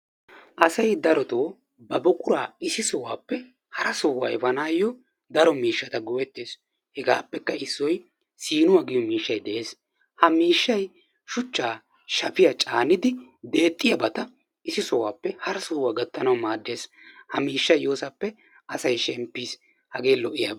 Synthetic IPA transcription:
ʔɐsɐjd̪ɐɾɔt̪oː | bɐbɔkʼʊɾaːɪsɪsɔwaːpːɛ | hɐɾɐsɔwaɛbɐnaːjːɔ | d̪ɐɾɔmiːʃːɐt̪ɐɡɔwɛt̪ːeːs | hɛɡaːpːɛkːɐɪsːɔj | siːnʊwaːɡɪjɔmiːʃːɐjd̪ɛʔeːs | hɐmiːʃːɐj | ʃʊt͡ʃːaː | ʃɐpɪjat͡ʃʼaːnɪd̪ɪd̪e̞ːt̪ʼːɪjɐbɐt̪ɐ | ɪsɪsɔwaːpːɛhɐɾɐsɔwaːɡɐt̪ːɐnɐwmaːd̪ːe̞ːs | hɐmiːʃːɐjːoːsɐpːɛ | ɐsɐjʃɛmpːiːs | hɐɡe̞ːlɔʔɪja̰ːb

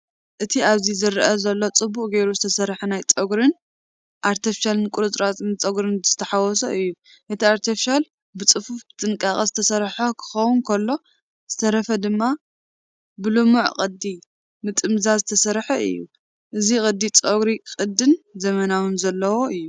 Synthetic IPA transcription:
ʔɨt̪ʰiaβzizɨɾʔɐzɐlːo̞t͡sʼɨbːukʼɡejɾuzɨt̪ʰɐsɐɾħɐnajt͡sʼɐɡɾɨn | ʔaɾt̪ʰɐfiʃalɨnkʼuɾɨt̪ʼɾat̪ʼmɨt͡sʼɐɡɾɨnzɨ̥t̪ʰɐħawɔsoʔɨjːu | ʔɨt̪ʰiaɾt̪ʰifiʃal | bɨt͡sʼɨfufbɨt̪ʼɨŋkʼaχʼɐzɨt̪ʰɐsɐɾħakʰɨ̥xɐwʊnkʰɐlːo̞ | z̥ɨt̪ʰɐɾɐfɐd̪ɨmːa | bɨlɨmuʕqʼɨd̪i | mɨt̪ʼɨmzazɨt̪ʰɐsɐɾħɐʔɨ̰jːu | ʔɨzikʼɨd̪ːit͡sʼoɡɾikʼɨd̪ːɨnzɐmɐnawɨnzɐlːɐwo̞ɨjːu

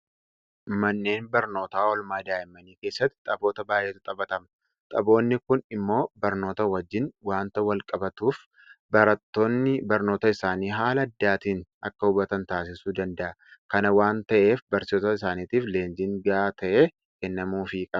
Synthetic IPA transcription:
mɐnːe̞ːnbɐɾno̞ːt̪aːɔlmaːd̪aːjɪmːɐniːke̞ːsːɐt̪ːɪ̥t̪ʼɐbo̞ːt̪ɐbaːjʔeːt̪ʊt̪ʼɐbɐt̪ɐmɐ | t̪ʼɐbo̞ːnːɪkʊnɪmːo̞ːbɐɾno̞ːt̪ɐwɐd͡ʒːɪnwaːnt̪ɐwɐlkʼɐbɐt̪uːf | bɐɾɐt̪ːo̞ːnːɪbɐɾno̞ːt̪ɐɪsaːniːɦaːlɐːd̪ːaːt̪iːnʔɐ̰kːɐʊbɐt̪ɐnt̪aːs̬ɪsuːd̪ɐnd̪ɐʔɐ | kɐnɐwaːnt̪ɐʔe̞ːfbɐɾsɪoːt̪ɐɪsaːniːt̪iːfle̞ːnd͡ʒɪŋɡaːt̪ɐʔeː | kɛnːɐmuːfikʼɐ

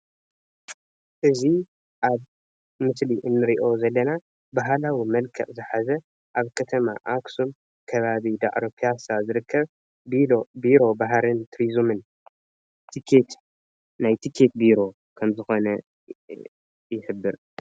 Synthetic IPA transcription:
ʔɨzi | ʔaβ | mɨsliʔɨnːɨɾiʔo̞zɐlːɐna | baɦlawimɐlkʰɐ̰ʔʼzɨħazɐ | ʔaβkʰɐt̪ʰɐma̰ʔaksum | kʰɐβaβid̪aʔɾopʰiasazɨɾɨkʰːɐβ | biobiɾo̞baɦɾɨnt̪ʰɾizumɨn | t̪ʰikʰet̪ | najt̪ʰikʰe̞t̪̚biɾo̞ | kʰɐmzɨxo̞nɐ | jɪħɨbːɨɾ

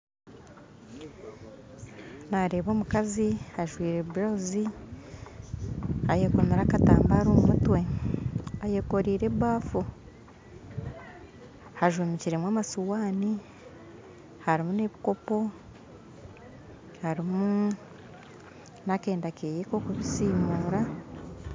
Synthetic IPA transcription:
naɾe̞ːβo̞ːmukazihaʒwiːɾe̞βuɾauzi | ajeːko̞meɾakataːmbaːɾommutwe̞ | ajeko̞ɾiːɾe̞βaːfu | haʒwumiciɾemwaːmasuwaːni | haɾimune̞βiko̞po̞ | haɾimu | nake̞ːndakeːjeko̞ːkuβisiːmuːɾa

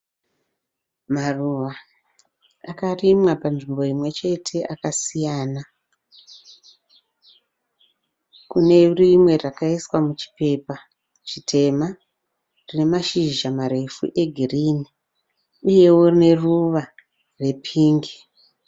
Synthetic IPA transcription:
maruʋa | akarimwapanʐimbo̞imwe̞t͡ʃe̞tʰe̞ʔakasijaːna | kune̞rimwe̞rakaiswamut͡ʃi̥pe̞pa | t͡ʃitʰe̞ma | rine̞maʃiʒamaɾe̞fṵʔe̞ɡʱiriːni | uje̞worine̞ruʋa | re̞pʰiːŋɡe

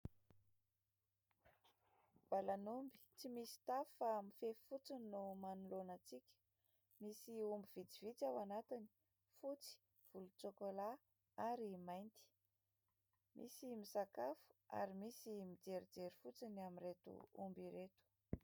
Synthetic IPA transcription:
b̥alanumbi̥t͡simisi̥t̪afamifefut͡sinumanulonət͡sikʲə̥ | misiumbiv̥id͡zivit͡sawanat̪ini̥ | fut͡si̥ | v̥ulut͡sokola | aɾimajnt̪i̥ | mʔḭsimisakafu̥a̰ɾimisimid͡zeɾid͡zeɾifut͡sinamiret̪ṵṵmbiɾet̪u̥

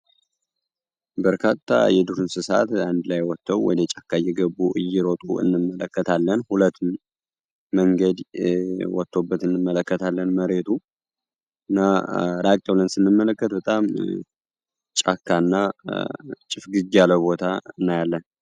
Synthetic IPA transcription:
bəɾkʰat̪ʰːa̰jɛd̪uɾɨnsɨsa̰t̪and̪lajwɔt̪ʰːəwwɔ̰d̪ɛt͡ʃʼakʰːajɛɡəbuʔɨ̰jːɪɾot̪ʼṵɨ̰nːɨmːələkːət̪ʰalːənhulət̪ː | məŋɡəd̪wɔt̪ːobːət̪ɨnːɨmːələkːət̪ʰalːənməɾe̞t̪ʰu | ɨnːaɾakʼt̪ʼəwlənsɨnːɨmːələkːət̪bət̪ʼam | t͡ʃʼakːanːa | t͡ʃʼɪfɡɨd͡ʒjaləβo̞t̪ʰaɨnːajalːən

